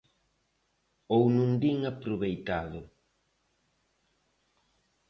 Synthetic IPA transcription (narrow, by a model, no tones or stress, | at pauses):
ownũŋd̪iŋapɾuβejt̪aðʊ